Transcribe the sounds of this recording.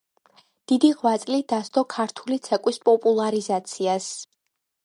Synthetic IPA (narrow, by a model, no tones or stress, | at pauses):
d̪̥id̪iʁwat̪sʼlid̪ast̪ɔkʰaɾt̪ʰulit̪sʰɛkʼwispʼɔpʼulˠaɾizat̪sʰias